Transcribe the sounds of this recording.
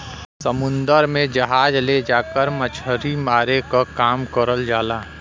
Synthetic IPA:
səmʊ̃nd̪əɾmẽd͡ʒɐɦaːd͡ʒled͡ʒaːkəɾmət͡ʃʰəɾimaːɾekakaːmkəɾəld͡ʒaːlaː

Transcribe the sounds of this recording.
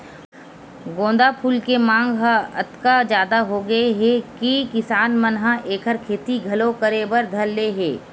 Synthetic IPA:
ɡõːnd̪apʰuːlkemãːŋɡɦaɐt̪kad͡ʒjaːd̪aɦoɡɐeɦɛkikɪsaːnmɐnɦãʔeːkʰəɾkʰeːt̪iɡʱɐlokəɾebəɾd̪ʱɐlːeɦɛː

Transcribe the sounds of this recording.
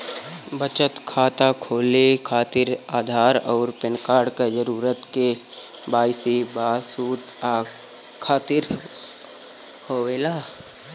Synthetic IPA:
bət͡ʃət̪kʰaːt̪akʰoːlekʰaːt̪ɪɾaːd̪ʱaːɾɔːɾpɪnkaːɾɖked͡ʒəɾuːɾət̪ke | baːɪsibaːsuːt̪aː | kʰaːt̪ɪɾ | hoːʋeːlaː

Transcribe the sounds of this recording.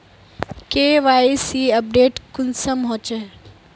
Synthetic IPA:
keːʋaːisiːɐp̚ɖeːʈkʊnsəmɦõːt͡ʃe

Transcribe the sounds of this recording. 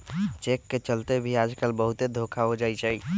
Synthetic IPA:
t͡ʃekːet͡ʃəlt̪ebʱiad͡ʒkəlbəɦut̪ed̪ʱokʰaod͡ʒajt͡ʃʰɛj

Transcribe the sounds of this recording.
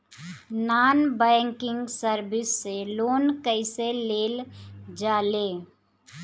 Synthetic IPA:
naːnbɛːŋkɪŋɡsəɾbɪsːeloːnkəɪseleːld͡ʒaːle

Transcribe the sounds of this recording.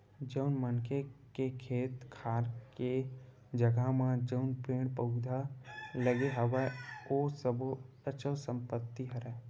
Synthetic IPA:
d͡ʒəʊnmənkʰekekʰeːt̪kʰaːɾke | d͡ʒəɡamãd͡ʒəʊnpɾeːɽ̃pəʊd̪ʱaləɡeɦɐwaosəbo | ət͡ʃʰəsə̃mpət̪ːiɦəɾɛː

